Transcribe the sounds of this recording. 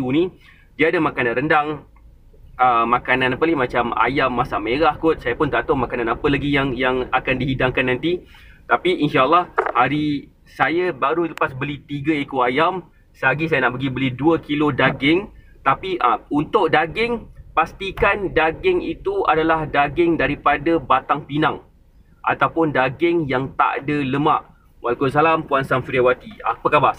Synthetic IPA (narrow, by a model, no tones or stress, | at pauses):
unĩ | diaadəmakanãnɾəndaŋ | əmakanãnapəlimat͡ʃama̰jamːasameɾahkʊt̪̚sajəpʊnt̪at̪omakanãnapəlaɡijaŋjaŋakandiɦidaŋkanːãnt̪i | t̪apiinʃaəlːɑhhaɾi | sajəbaɾuiləpasbəlit̪iɡəekoajam | səaɡisajənaʔpəɡibəliduəkilodaɡɪŋ | t̪apiəunt̪ʊʔdaɡɪŋpast̪ikandaɡɪŋḭt̪ua̰dalahdaɡɪŋdaɾipadabat̪aŋpinaŋ | ʔa̰t̪awpʊndaɡɪŋjaŋt̪a̰ʔdələmaʔ | wʔalakus̬alampuansamfiɾiawat̪ia̰pəkaba